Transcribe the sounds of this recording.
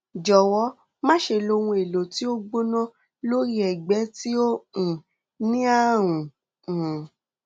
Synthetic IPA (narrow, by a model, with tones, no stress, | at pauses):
d͡ʒɔ˨wɔ˨˦ | mã˦ʃe˧lo˧wũ˧e˨lo˨ti˨˦o˦ɡ͡bo˦nã˦ | lo˦ɾi˦ɛ˨ɡ͡bɛ˨˦ti˦õ˦˨ | nĩ˦a˦˨ɾ̃ũ˨